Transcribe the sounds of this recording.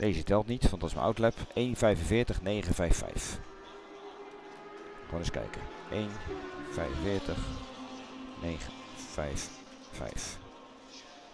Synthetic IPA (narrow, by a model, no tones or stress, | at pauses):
deːzətɛlˠtnitʋɑntdɑtɪsmə̰nʔa̰wtlɛpʔejnvɛjvənvɪːɹtəχnejχənvɛjfɛ̰jf | χaːnɪskɛ̰jkə̰ | ʔejnv̥ɛjvənvɪːɹtəχ | nejχə | fɛjfː | ɛ̰jf